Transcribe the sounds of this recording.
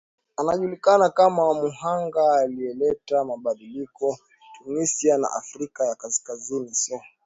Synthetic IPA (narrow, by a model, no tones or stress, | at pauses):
anaʄulikanakamamuɦaŋɡaːliɛlɛtamaɓaɗilikɔ | tunisiana̰ʔa̰fɾikajakaskazinisɔ